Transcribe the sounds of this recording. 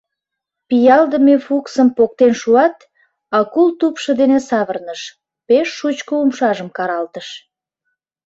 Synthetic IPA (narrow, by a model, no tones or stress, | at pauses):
pijɑld̪əmefuksəmpok̚t̪enʃuɑt̪ | ɑkult̪upʃə̆d̪enesɑβərnəʃ | peʃːut͡ɕkoumʃɑʒəmkɑɾɑlt̪əʃ